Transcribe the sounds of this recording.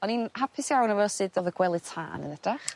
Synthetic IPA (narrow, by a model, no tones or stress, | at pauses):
ɔninhapʰɪsjawnɔvɛsɨdɔvəɡwɛlˠɨ̥tʰa̰ːnə̰nɛd̥aχ